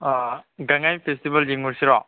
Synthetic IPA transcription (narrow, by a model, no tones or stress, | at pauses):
ɡaŋajpʰestibald͡ʒiŋmuɾsiɾɔ